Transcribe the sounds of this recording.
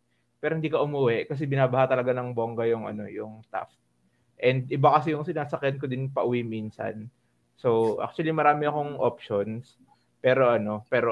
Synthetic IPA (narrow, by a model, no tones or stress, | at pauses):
pɛːɾohɪnd̪iːkɐʔʊmuwɛʔkɐs̬ɛbɪnaːbɐhat̪ɐlɐɡanɐŋboŋɡɐjʊŋɐ̰no̞̰jʊŋt̪a̰ft̪̚ | ʔɛnd̪̚ʔɪbakɐs̬ɛjʊŋsɪnaːsɐkjɐnkod̪ɪnpɐʔʊwiminsɐ̰n | so̞wʔa̰k̚t͡ʃ̪ʊɐlimɐɾaːmɪɐko̞ŋʔopʃo̞ns | pɛːɾo̞ʔɐno̞pɛːɾo